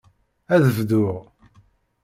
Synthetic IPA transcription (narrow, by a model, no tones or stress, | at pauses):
æðəvðʊʁ